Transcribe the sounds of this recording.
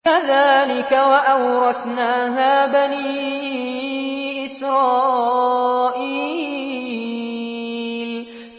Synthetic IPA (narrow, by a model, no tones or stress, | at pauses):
aðaːlɪkawaʔawɾˤɑθnaːɦaːbaniː | ʔɪsɾɑː | ʔiː | l